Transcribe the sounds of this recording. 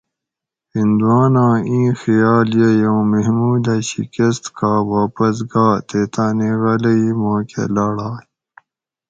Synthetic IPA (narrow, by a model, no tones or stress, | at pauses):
hind̪uwaːnãːĩːxijaːljejowmeɦmuːd̪aɕḭkɐst̪kaːwaːpɐs̬ɡaːt̪et̪aːneɣɐlɐimõːkḛlaɽaː